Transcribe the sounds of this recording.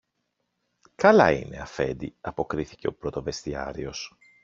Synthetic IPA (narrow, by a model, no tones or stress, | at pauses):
kɐlɐine̞ɐfe̞̰d̪iɐpo̞kɾiθi̥ce̞o̞pɾo̞t̪o̞ve̞st̪iɐ̰ɾio̞s